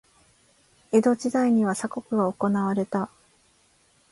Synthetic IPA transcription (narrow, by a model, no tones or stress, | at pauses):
e̞d̪o̞d͡ʑid̪aiɲ̟iβasako̞kɯ̟ɡaoko̞naβaɾe̞t̪a